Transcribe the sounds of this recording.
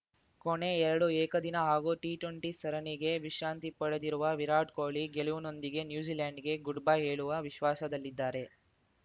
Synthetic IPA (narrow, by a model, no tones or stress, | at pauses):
koɳe̞ɛɾɐɽuɛːkɐd̪inɐɦaːɡuːʈiʈeɳʈisɐɾɐniɡe̞ʋiʃɾaːnt̪ipɐɽed̪iɾuʋɐʋiɾaːʈkoːɭiɡeliʋuno̞nd̪iɡe̞njuːd͡ʒiːlaːɳɖɡe̞ɡuɖbajɦeːɭuʋɐʋiʃʋaːsɐd̪ɐlːid̪ːaːɾe̞